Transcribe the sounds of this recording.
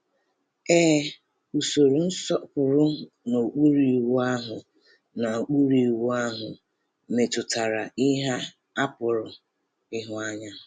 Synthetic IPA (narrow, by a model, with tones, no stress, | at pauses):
eː˦ | u˨so˨ɾu˨n̩˦sɔ˦kʊ˨ɾʊ˦ | no˨u˨k͡pu˦ɾi˨wu˦a˦ɦʊ˨ | na˨o˨k͡pu˦ɾi˨i˨wu˦a˦ɦʊ˨ | me˨tʊ˨ta˨ɾa˨i˦ɦa˦ | a˦pʊ˨ɾʊ˨ | ɪ˦ɦʊ˦a˦ɲa˦˨